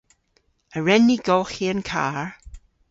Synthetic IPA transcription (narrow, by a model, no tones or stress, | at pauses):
əɹɛnːiːɡɔːxiːənkʰa̰ːɹ